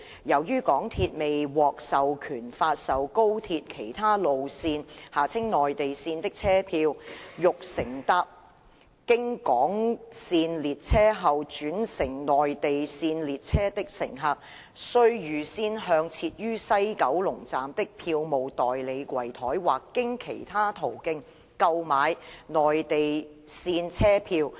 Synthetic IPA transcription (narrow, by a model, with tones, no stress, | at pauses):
jɐ˨˩wjyː˥kɔː˨˥ŋt̪ʰiː˧t̚me˨jwɔː˨k̚sɐ˨wkʰyː˨˩nfaː˧t̚sɐ˨wko˥wt̪ʰiː˧t̚kʰe˨˩jt̪ʰaː˥lo˨wsiː˧nhaː˨˩t͡sʰɪ˥ŋnɔː˨˩jt̪e˨jsiː˧nt̪ɪ˥k̚t͡sʰɛː˥pʰiː˧wjʊ˨k̚sɪ˨˩ŋt̪ɐ˥p̚ | kɪ˥ŋkɔː˨˥ŋsiː˧nliː˨t̚t͡sʰɛː˥ɦɐ˨wt͡ʃyː˨˥nsɪ˨˩ŋnɔː˨jt̪e˨jsiː˧nliː˨t̚t͡sʰɛː˥t̪ɪ˥k̚sɪ̰˨˩ŋɦɐ˧p̚ | sɵ˥ɥjyː˨˩siː˥nɦœː˧ŋt͡sʰiː˧t̚jyː˥sɐ˥jkɐ˨˥wlʊ˨˩ŋt͡saː˨mt̪ɪ˥k̚pʰiː˧wmo˨˩wt̪ɔː˨jle˨˧jkʷɐ˨˩jt̪ʰɔː˨˥jwaː˨kːɪ˥ŋkʰe˨˩jt̪ʰaː˥t̪ʰo˨˩wkɪ˧ŋ | kɐ˧wmaː˨˧jnɔː˨jt̪e˨j | siː˧nt͡sʰɛː˥pʰiː˧w